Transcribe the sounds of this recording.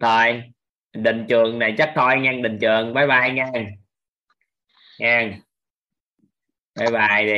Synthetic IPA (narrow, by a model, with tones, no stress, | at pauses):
t̪ʰo˧˩j | ɗï˨˩ŋ̟t͡ɕɨ˨˩əŋna˨˩jt͡ɕa˦˥k̚t̪ʰo˧jŋaː˧ŋɗï˨˩ŋt͡ɕɨ˨˩əŋvaː˨˦jɓaː˨˩jŋaː˧ŋ | ŋaː˧ŋ | vaː˨˦jɓaː˨˩ji˨˩